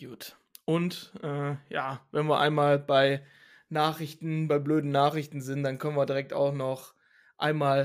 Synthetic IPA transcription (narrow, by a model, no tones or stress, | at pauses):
juːt | ʔʊntʔɛːjaːvɛnviːɐʔa̰ɪnmaːlbaɪ | naːχɪçtn̩baɪbløːdn̩naːχʁɪçtn̩zɪntd̥ankʰœnənviːɐdiʁɛk̚ta̰ʊχnɔχ | ʔa̰ɪnmaːl